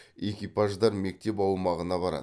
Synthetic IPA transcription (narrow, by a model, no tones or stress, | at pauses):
e̞kʲijpaʒd̪ɑɾme̞k̚t̪e̞pɑwmɑʁənɑbɑɾɑ̰d̪